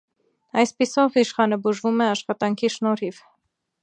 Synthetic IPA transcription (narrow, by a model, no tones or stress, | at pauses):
ɑjspisɔviʃχɑnəbuʒvumɛɑʃχɑt̪ɑŋkʰiʃnɔɾiv